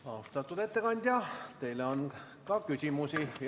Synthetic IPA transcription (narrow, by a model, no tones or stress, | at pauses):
ɑust̪ɑt̪ːut̪et̪ːekɑnʲd̪̥ʲjɑt̪eileon | kɑkysʲimusij